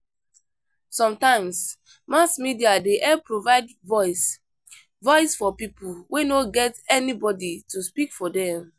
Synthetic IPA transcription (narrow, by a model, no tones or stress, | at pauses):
sɔ̃mtãɪ̃ms | masmidiadeʔɛpɹovaɪdvɔɪs | vɔɪsfɔpipulwenoɡɛtɛnibɔdituspikfɔdɛ̃m